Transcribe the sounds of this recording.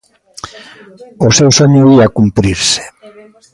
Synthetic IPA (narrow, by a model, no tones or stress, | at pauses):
osewsaɲoiakumpɾiɾse̥